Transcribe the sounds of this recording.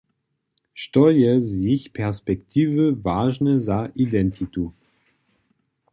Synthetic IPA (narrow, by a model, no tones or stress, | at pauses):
ʃtɔjɛzjiçpʰɛʁspɛkt̪ʰiːvəvaːʒnəzaʔid̪ɛnt̪ʰit̪u